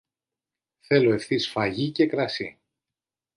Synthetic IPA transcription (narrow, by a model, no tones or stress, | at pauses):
θe̞lo̞e̞fθisfɐʝice̞kɾɐsi